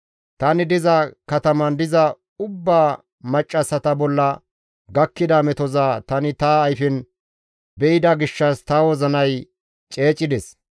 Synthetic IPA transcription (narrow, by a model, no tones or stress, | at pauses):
t̪ɐnɪd̪ɪzɐkɐt̪ɐmɐnd̪ɪzɐ | ʊbːaː | mɐt͡ʃʼːɐsɐt̪ɐbɔlːɐ | ɡɐkːɪd̪ɐmɛt̪ɔzaːt̪ɐnɪt̪ɐːjfɪn | bɛɪd̪ɐɡɪʃːɐst̪ɐwɔzɐnɐj | t͡ʃʼe̞ːt͡ʃʼːɪd̪ɛs